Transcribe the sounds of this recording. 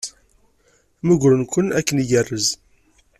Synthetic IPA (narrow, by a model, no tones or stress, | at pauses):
məɡɾənkʷənækːənijərːəz